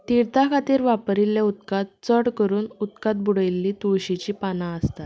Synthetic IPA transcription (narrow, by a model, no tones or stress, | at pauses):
t̪iɾt̪akʰat̪iːɾʋapɾiljaut̪̚kat̪̚t͡səɽkəɾuːnut̪kat̪̚buɽəjlːiːt̪uɕit͡ɕiːpanaəst̪at̪